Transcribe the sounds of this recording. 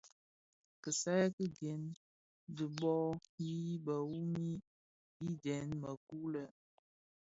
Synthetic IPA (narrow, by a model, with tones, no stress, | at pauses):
kə˨sa˦jkə˦ɡɛ˨˦n | di˨ɓɔ˦ji˦ba˨wu˦mi˦ | bi˦dɛ˨nmə˨ku˦lə˨